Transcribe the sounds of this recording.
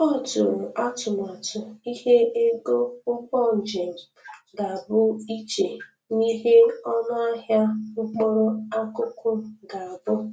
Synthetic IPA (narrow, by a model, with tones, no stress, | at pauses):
ɔ˦˨tʊ˨ɾʊ˨ʔa˦tʊ˨m˨a˨tʊ˨i˦ɦe˦e˦ɡo˦ʊ˦kɔ˦˨n̩˨d͡ʒe˨ŋ̩˨ | ɡa˨a˨bʊ˦i˦t͡ʃe˨ | ni˦ɦe˦ɔ˦nʊ˦a˦ɦja˦ʊ˦k͡pɔ˦ɾɔ˦a˦kʊ˦kʰʊ˦ɡa˨a˨bʊ˦